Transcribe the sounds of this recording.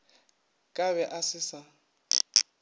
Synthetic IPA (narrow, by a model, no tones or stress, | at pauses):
kʼaβɛʔasɪsa